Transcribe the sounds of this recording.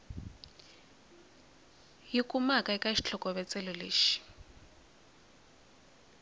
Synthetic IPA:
jikʼumakʼaɛkʼaiʃi̥t͡ɬʰɔkʼɔβɛt͡sɛlɔleːʃi̥

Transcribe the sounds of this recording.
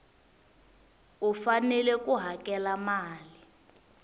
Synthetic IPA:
ufanɛlɛk̬uɦakɛlamaːli

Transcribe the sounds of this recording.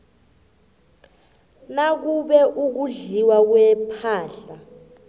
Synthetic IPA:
nak̬uɓɛʔuk̬uɮiwak̬wɛpʰaːɬa

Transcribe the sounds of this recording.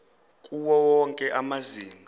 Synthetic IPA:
kʼuwɔwɔŋkʼɛʔamaziːmʱa

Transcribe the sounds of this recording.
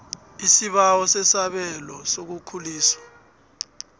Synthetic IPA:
isiɓawɔsɛsaɓɛlɔsok̬ukʰuliːswa

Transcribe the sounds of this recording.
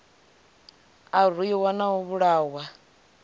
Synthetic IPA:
ar̤ujiwanaɦɔβuɺaːwa

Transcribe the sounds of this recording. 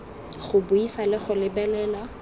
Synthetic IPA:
χʊbʊisalɪχʊlɪbɛlɛːla

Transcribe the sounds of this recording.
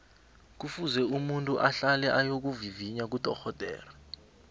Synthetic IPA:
k̬ufuzɛumuntʼuʔaɬalɛʔajok̬uviviɲak̬ud̥ʱʼɔxɔd̥ʱʼɛ̰ːrɛ

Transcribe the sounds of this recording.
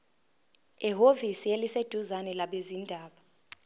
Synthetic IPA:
iɦovisielised̥ʱuzanɛlaɓezindʱaːɓa

